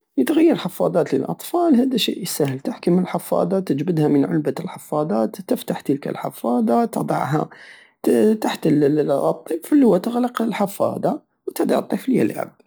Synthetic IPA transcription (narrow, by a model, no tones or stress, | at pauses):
jət̪ɣajːɑɾˤlħɑfːɑ̰d̪ˤɑːt̪lə̰lʔɑ̰t̪ˤfɑːlɦæːd̪æʃḭːʔjsæhəlt̪aħkəməlħɑfːɑ̰ːd̪ˤɑt̪əd͡ʒbəd̪hamənʕʊ̰lbalħɑfːɑd̪ˤɑːt̪ːɪft̪aħt̪ilka̰lħɑ̰fːɑːd̪ˤɑt̪ɑ̰d̪ˤɑ̰ʕɦa̰ | t̪aħt̪ət̪ˤːiːbflːihʊwːæt̪əɣlɑqɪlħɑfːɑ̰ːd̪ˤɑ | wt̪ɪd̪ɑ̰ʕɑt̪ˤːiflja̰lʕa̰b̚d̪